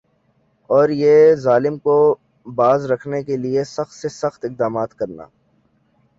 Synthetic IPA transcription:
ɔːɾjezaːlɪmko | baːzɾɐkʰnekeliesɐxt̪sesɐxt̪ɪq̚d̪aːmaːt̪kɐɾna̰ː

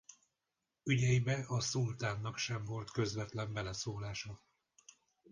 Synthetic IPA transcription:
yɟɛjibɛɒsult̪aːnːɒkʃɛɱvo̞lt̪kø̞zvɛt̪lɛmbɛlɛsoːlaːʃɒ

